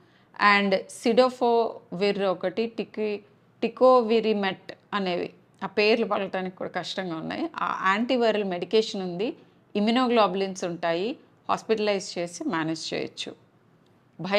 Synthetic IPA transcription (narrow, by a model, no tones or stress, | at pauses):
ɐɳɖsiɖoːpʰoːʋiɾɔkɐʈiʈi | ʈikoːʋiɾimeʈɐne̞ːʋḭ | aːpe̞ːɾlupɐɭːɐʈaːnikʲːi̥kṵːɽa̰ːkɐʂʈɐŋɡaːunːa̰ːjia̰ːaːɳʈiʋɐɾɐlme̞ɽikeːʂɐnund̪i | iminoːɡlaːblinsuɳʈaːji | ha̰ːspiʈɐlɐjzt͡ʃe̞ːsimaːned͡ʒt͡ʃḛːjɐ̰t͡ʃːṵ | bʱɐ